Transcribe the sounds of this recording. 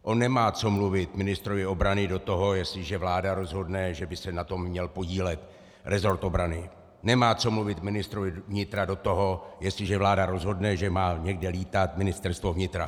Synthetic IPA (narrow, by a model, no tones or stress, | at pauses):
ʔo̞nːɛmaːt͡so̞mluvɪt̪mɪnɪst̪ɾo̞vɪo̞bɾanɪdo̞t̪o̞ɦo̞jɛslɪʒɛvlaːdaɾo̞zɦo̞dnɛʒɛbɪsɛnat̪o̞mːɲɛlpo̞ɟiːlɛt̪ | ɾɛzo̞ɾt̪o̞bɾanɪ | nɛmaːt͡so̞mluvɪt̪mɪnɪst̪ɾovɪvɲɪt̪ɾado̞t̪o̞ɦo̞jɛstlɪʒɛvlaːdaɾo̞zɦo̞dnɛʒɛmaːɲɛɡdɛliːt̪at̪̚mɪnɪst̪ɛɾst̪vo̞vɲɪt̪ɾa